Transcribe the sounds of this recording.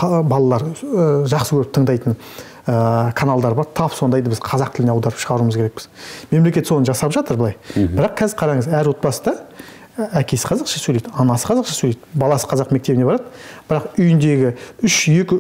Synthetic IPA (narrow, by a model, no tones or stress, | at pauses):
bɑlˠɑlˠɑɾʒɑqsəkʲʰɵɾɪp̚t̪ʰəɴd̪ɑjt̪əɴ | əkʰanalˠd̪ɑɾbɑɾt̪ʰɑpso̞nd̪ɑjd̪bɪzqʰɑzɑqt̪ʰɪlɪne̞ɑwd̪ɑɾəpʃəʁɑɾuməzkʰʲe̞ɾe̞k̚bɪzme̞mle̞kʲe̞t̪so̞nʒɑsɑpʒɑt̪əɾblˠɑjbɪɾɑqkʰʲæzɪɾqʰɑɾɑɴəzæɾwo̞t̪̚bɑsəd̪ɑ | ækʲe̞sɪ̥qʰɑzɑqʃɑ̥sɵjlejd̪ɑnɑsə̥qʰɑzɑqʃɑ̥sɵlejd̪̥bɑlˠɑsə̥qʰɑzɑqme̞k̚t̪e̞bɪneɑɾɑd̪əbɪɾɑqʏjɪnd̪e̞ɡʲɪʏʃje̞kʲɪ